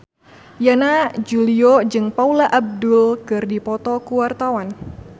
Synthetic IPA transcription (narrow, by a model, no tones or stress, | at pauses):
janad͡ʒuliod͡ʒɨŋpaulaʔab̚dʊlkɨrdipɔt̪ɔkuwart̪awan